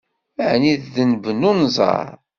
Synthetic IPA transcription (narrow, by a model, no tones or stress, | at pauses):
əʕniððənvənunzˤɑ̰ɾˤ